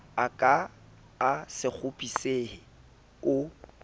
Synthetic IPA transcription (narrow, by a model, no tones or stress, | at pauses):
akʼa | asɪk͡xʰʊpʼiseːhɪ | ʊ